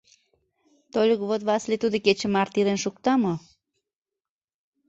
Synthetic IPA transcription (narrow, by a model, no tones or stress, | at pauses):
t̪olʲəkβot̪βɑslet̪ud̪oket͡ɕəmɑrt̪ilenʃuk̚t̪ɑmo